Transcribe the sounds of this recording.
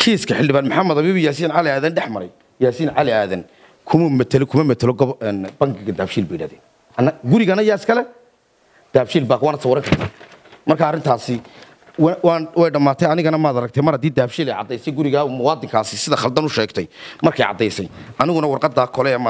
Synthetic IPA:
kʰiːskʰɐħɪldɪβaːnmʊħamːɐðɐβiːβijaːsiːnʕalɪaːðɐnɖɛħmɐɾɛj | jaːsiːnʕalɪaːðɐn | kʰʊmʊmɐt̪ʰɐlɪkʰʊmɐmɐt̪ʰɐlɔɡɔɛːnbɐŋɡɪɣɐd̪aːfʃiːlbɛjɪɽaːðɛːn | ɐnːɐɡʊɾɪɣɐnɐjaːɪskʰɐlɛ | d̪̥aːfʃiːlbaːkʰwaːnɐt̪sɐwɔɾɐŋkʰɐrt̪ʰaːmɐrkʰaːrɪnt̪ʰaːsɪ | wwːwɛjɖɐmːaːt̪ʰɛjɐnɪɣɐnɐmaːd̪aɾɐk̚t̪ʰɛmɐrhɐd̪iːd̪aːbʃiːlɛjʕɑ̰d̪ːɛjsɛjɡʊɾɪɣaːmʊwɑːd̪ɪŋkʰaːsɪsɪðɐχɐld̪ɐnʊʃɛːɡt̪ʰɛjmɐrkʰɛjʕɑ̰d̪ːɛjsɛjʔɐnɪɣʊnɐwɑrqɑd̪aːkʰɔlɛɛmɐ

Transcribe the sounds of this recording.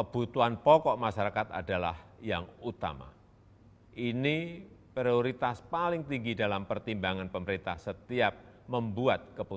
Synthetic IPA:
kəb̥ut̪uanpɔkɔʔmaʃaɾakat̪a̰dala̰hjaŋut̪a̰ma̰ | ʔinipɾioɾit̪aspalɪŋt̪iŋɡidalampərt̪imbaŋanpəməɾint̪ahsət̪iap̚məmbuat̪̚kəpu

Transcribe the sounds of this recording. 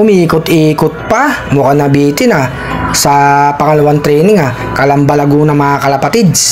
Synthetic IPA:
ʊmiːkʊt̪ʔiːkʊt̪̚pɐmukanɐbiːt̪ɪna | sɐpɐŋɐlɐwant̪ɾɛːnɪŋa | kɐlɐmbɐlɐɡuːnɐmɐakɐlɐpɐt̪ɪd̪

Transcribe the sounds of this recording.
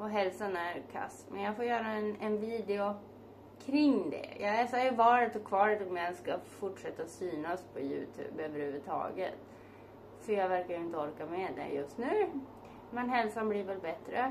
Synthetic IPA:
ɔɦɛlsanæɾkʰa̰sːmɛnjɑɡfoːɾjœːɾaɛnɛnviːd̪ɪʊ | kʰɾɪŋd̪ɛ̰jʔɑːɡɛːsajɵvɑːɾət̪ɔkʰvɑːɾət̪ɔmjaɛnskafʊʈʂɛt̪ːasyːnaspʰɔjʉ̰ːt̪ʰʉ̰ːbøːvəɾhʉ̟ːvət̪ʰɑ̰ːɡə̰t̪ | fœɾjɑːɡvæɾkajɵɪnt̪əɔɾkamɛd̪ɛ̰jɵst̪nʉ̟ː | mɛnɦɛlsanbliːɾvɛlbɛt̪ɾə

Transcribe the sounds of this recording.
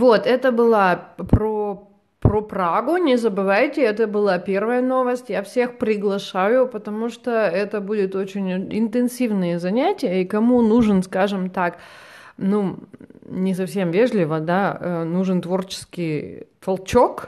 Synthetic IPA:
vot̪ɛt̪əbɨlˠapɾo | pɾopɾaɡʊnʲɪzəbɨvajtʲɪɛt̪əbɨlˠapʲe̞rvəjəno̞vəsʲtʲjafsʲe̞xpɾʲɪɡlˠɐʂajʊpət̪ɐmuʂt̪oɛt̪əbudʲɪt̪o̞t͡ɕɪnʲɪnt̪ɨnsʲivnɨjəzɐnʲætʲɪjəikɐmunuʐɨnskaʐɨmt̪aknu | nʲɪsɐfsʲe̞mvʲe̞ʐlʲɪvəd̪aənuʐɨnt̪vo̞rt͡ɕɪ̥skʲɪjt̪ɐlˠt͡ɕo̞k

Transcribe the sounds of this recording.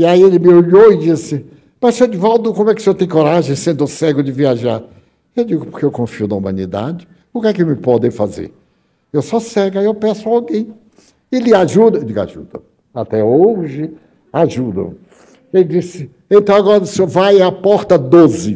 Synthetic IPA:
iaielɪmɪoʎoɪd͡ʒisɪ | mɐssed͡ʒɪvɔwt̪ʊkõmʊɛkɪ̥sewt̪ẽj̃koɾaʒẽj̃sẽnd̪ʊsɛɡʊdɪviaʒa̰ɾ | ewd͡ʒiɡʊpoɾkeewkõfiʊd̪ɐumɐ̃nid̪a̰d͡ʒɪ | ʊkɛkemɪpɔd̪ẽj̃fazḛɾ | ewsɔsɛɡʊaewpɛ̃sʊawɡẽj̃ | ɪlɪaʒud̪ɐd͡ʒiɡa̰ʒṵd̪̥ɐ̰ | at̪ɛoʒɪ | aʒud̪ɐ̰̃ | elɪd͡ʒisɪ | ẽnt̪ɐ̃w̃aɡɔɾɐsovajapɔɾt̪ɐd̪ozɪ

